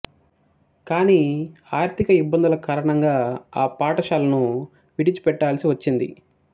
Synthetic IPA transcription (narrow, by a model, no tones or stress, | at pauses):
kaːniːaːɾt̪ʰikɐibːɐnd̪ulɐkaːɾɐɳɐŋɡaːaːpaːʈɐʃaːlɐnu | ʋiʈit͡ʃi̥pɛʈːaːlɐsiʋɐt͡ʃːind̪ḭ